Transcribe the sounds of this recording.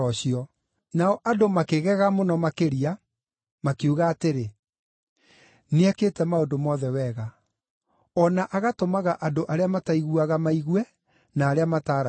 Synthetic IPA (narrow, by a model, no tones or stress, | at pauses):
ɔɕiɔ | naɔʔadomakeɣɛɣamonɔmakeɾia | makeuɣaːteɾe | neakeːtɛmaondomɔðɛwɛɣa | ɔnaʔaɣatomaɣaʔadoʔaɾeamataiɣuaɣamaiɣwɛ | naːɾeamataːɾa